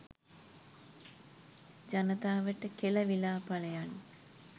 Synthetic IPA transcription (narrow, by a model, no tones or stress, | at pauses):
d͡ʒanət̪aːʋəʈəkelɐʋilaːpaləjan